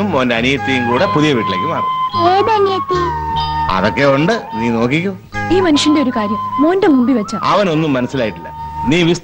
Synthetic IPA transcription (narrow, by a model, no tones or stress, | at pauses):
umːoːndeɐnijɐt̪ːijumkuːɽepuðijɐʋiːʈːileːkʲːumaːrkːuoːbɐnjɐt̪ːi | ɐ̰ðokːeuɳɖɨniːno̞ːkːikʲːum | iːmɐnuʂɐndeoɾukaːɾjɐmːoːndemumbiʋɐt͡ɕːɐɐ̰ʋɐno̞nːumːɐnɐsːilaːjiʈːilːɐ̰niːʋist̪